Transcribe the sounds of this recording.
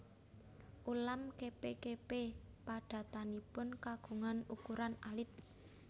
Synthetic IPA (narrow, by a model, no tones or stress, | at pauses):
ʔulamkepekepepaɖ̥a̤t̪anipʊnkaɡ̥o̤ŋanukuɾanalɪt̪̚